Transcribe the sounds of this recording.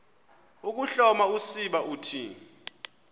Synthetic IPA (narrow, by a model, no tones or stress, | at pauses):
uk̬uɬɔmausiɓaʔutʰiː